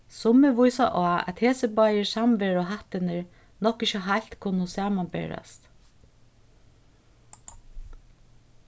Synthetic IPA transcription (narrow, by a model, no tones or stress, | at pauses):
sʊmɪʋʊjsa̰ʔaːæ̰t̪heːsəbajɪsamʋeːɹɔɦaht̪ɪnɪɹ | nɔhkɪçəɦal̥t̪kʰʊnʊsaːmanbɛ̰ɹa̰st̪